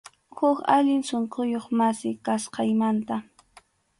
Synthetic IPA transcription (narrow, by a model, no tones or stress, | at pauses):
hʊkaʎɪŋsoɴqojoχmasɪkasqɑjmant̪a